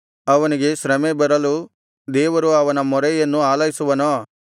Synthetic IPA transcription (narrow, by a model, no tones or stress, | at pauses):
ɐʋɐniɡeʃɾɐmebɐɾɐlu | d̪ɛːʋɐɾuɐʋɐnɐmɔɾɐjɐnːuaːlɐjisuʋɐnoː